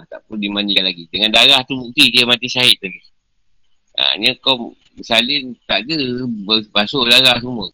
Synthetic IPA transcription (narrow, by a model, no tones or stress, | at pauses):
t̪aʔpundimanialaɡid̪əŋandaɾaht̪umut̪idiəmat̪isaɦɪt̪̚laɡi | a̰ɲəkom | salɪnt̪aʔdəbəbasoʔdaɾahsumə